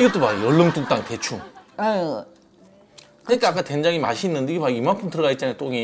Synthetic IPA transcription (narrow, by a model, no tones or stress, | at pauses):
iɡʌt͈omaɡijʌɭːoŋt͈uŋt͈aŋte̞t͡ɕʰuŋa | kɯɲik͈aak͈ate̞nd͡ʑaŋimaɕʰinːɯndeɡemaimanpʰɯmtɯɾʌɣait̚t͡ɕ͈anajt͈oŋe